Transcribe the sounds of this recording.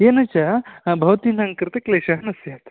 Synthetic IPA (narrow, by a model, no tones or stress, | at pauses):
jenɐt͡ʃabʱɐʋt̪inɐŋkɾɨt̪ɐkleʃɐɦɐnɐsjat̪